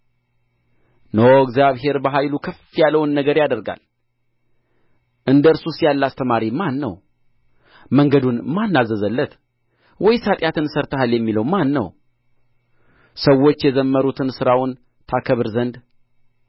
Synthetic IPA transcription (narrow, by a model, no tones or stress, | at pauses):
nowɡzjaβɦe̞ɾbəɦajlukʰəfijalːəwnːəɡəɾjad̪əɾɡa̰l | ʔɨnd̪əɨɾsusijalːast̪ʰəmaɾimanːə̰w | məŋɡəd̪unmanːazəzəlːət̪ | wʔɔjsat̪ʼjat̪ʰɨnsəɾt̪ʰəhaljɛmːiləwmanːə̰w | səwːo̞t͡ʃːjɛzəmːəɾut̪ʰɨnsɨɾawʊn | t̪ʰakʰəβɨɾzənd̪